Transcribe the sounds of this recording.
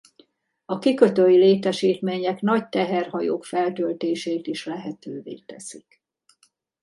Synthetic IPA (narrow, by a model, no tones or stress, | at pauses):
ɒkikøt̪øjileːt̪ɛʃiːt̪meːɲɛknɒc̚t̪ɛɦɛrhɒjo̰ːkfɛlt̪ølt̪eːʃeːt̪iʃlɛɦɛt̪øːvḛːt̪ɛsik